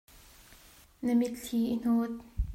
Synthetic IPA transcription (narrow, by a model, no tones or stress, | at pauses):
nɐmit̪ɬʰiːʔin̥oːt̪̚